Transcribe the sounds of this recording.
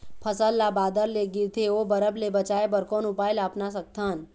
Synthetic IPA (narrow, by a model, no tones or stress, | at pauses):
pʰəsəlːabaːd̪əɾleɡɪɾt̪ʰeobəɾəblebət͡ʃaːebəɾkoːnʊpaːɪlaːpnas̬ək̚t̪ʰaːn